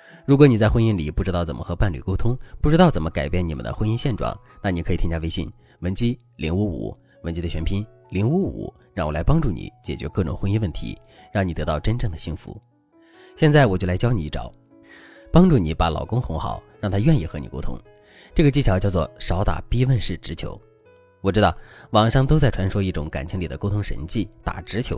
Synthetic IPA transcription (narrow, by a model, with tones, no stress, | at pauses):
ɻu˧˥kwɔ˧˥ni˨˩t͡sa˥ɪxwə˥ni˥nlḭ˨˩pu˥˩ʈ͡ʂɻ̩˥t̪ɑ˥˩t͡sə˨˩mə˦˥xɤ˧˥pa˥˩nly̰˨˩ko˥ʊt̪ʰʊ˥ŋpu˥˩ʈ͡ʂɻ̩˥t̪ɑ˥˩ʊt͡sə˨˩nmə˦ka˨˩ɪpjɛ˥˩ni˨˩mə̰˦nd̪ə̰˧xwə˥ni˥nɕjɛ˥˩nʈ͡ʂwɑ̰˥˩˦ŋ | na˥˩ni˨˩kʰɤ˧˥˨i˥ŋt͡ɕja˥˧e˥ɪɕi˥˩n | wə˧˥nt͡ɕi˥ | li˧˥nu˥ṵ˨˩˦ | wə˧˥nt͡ɕi˥d̪ə˨ɕɥɛ˧˥npʰi˥n | li˧˥ŋu˥ṵ˨˩˦ | ɻɑ˥˩ŋwɔ˨˩la˧˥ɪpɑ˥ŋʈ͡ʂu˥˩nḭ˨˧˦t͡ɕjɛ̰˨˩t͡ɕɥɛ̰˧˥kɤ˥˩ʈ͡ʂʊ̰˨˩ŋxwə˥ni˥wə˥˩nt̪ʰḭ˧˥ | ɻɑ˥˩ŋi˨˩t̪ɤ˧˥t̪ɑ˥˩ʊʈ͡ʂə˥nʈ͡ʂɤ˥˩ŋd̪ə˩ɕi˥˩ŋfṵ˧˥ | ɕjɛ˥˧nt͡sa˥˩wɔ˨˩t͡ɕjo˥˩ʊla˧˥ɪt͡ɕjɑ˥ʊni˨˧˥i˥˩ʈ͡ʂɑ̰˨˩ʊ | pɑ˥ŋʈ͡ʂu˥˩ni˨˩˦pa˧˥lɑ̰˨˩ʊkʊ˥ŋxʊ˧˥ŋxɑ̰˨˩˦ʊɻɑ˥˩ŋt̪ʰa˥ɥɛ˥˧ni˥˩xɤ˧˥nḭ˨˩ko˥ʊt̪ʰʊ̰˥ŋ | ʈ͡ʂɤ˥˩ɡə˩t͡ɕi˥˩t͡ɕʰjɑ˧˥t͡ɕjʊt͡swɔ˥˩ʂɑ˧˥ʊt̪a̰˨˩pi˥wə˥˧nʂɻ̩˥˩ʈ͡ʂɻ̩˧˥t͡ɕʰjo˧˥ʊ | wɔ˨˩ʈ͡ʂɻ̩˥t̪ɑ˥˩ʊwɑ˨˩ŋʂɑ˥˧ŋt̪o˥ʊt͡sa˥˩ɪʈ͡ʂʰwa˧˥nʂwɔ˥i˥˩ʈ͡ʂʊ̰˧˥ŋka̰˨˩nt͡ɕʰi˧˥ŋli˨˩d̪ə˦ko˥t̪ʰʊ˥ŋʂə̰˧˥nt͡ɕi˥˩t̪a̰˨˩ʈ͡ʂɻ̩˧˥t͡ɕʰjo˧˥